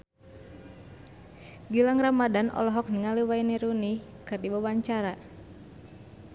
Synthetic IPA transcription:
ɡilaŋramadanʔɔ̰lɔɦɔk̚niŋaliwainiɾunikɨrdibawaɲt͡ʃaɾa

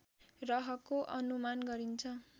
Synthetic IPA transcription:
rʌɦʌkoʔʌnumanɡʌɾint͡sʰʌ

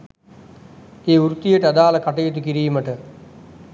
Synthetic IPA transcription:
eːuɾut̪ijəʈəad̪aːlɐkaʈɐjet̪̬ukiɾiːməʈə

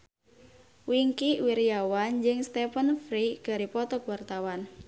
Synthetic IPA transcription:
wiŋkiwiɾijawand͡ʒɨŋst̪ɛfənfɾiɡ̥aɾipɔt̪ɔɡwart̪awan

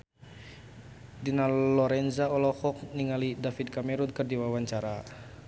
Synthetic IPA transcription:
dinalɔɾɛnzaɔlɔhɔk̚niŋalidafit̪̚kamɛɾunkərdiwawaɲt͡ʃaɾa

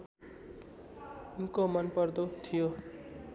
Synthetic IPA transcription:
unkomʌnpʌrd̪ot̪ʰijo

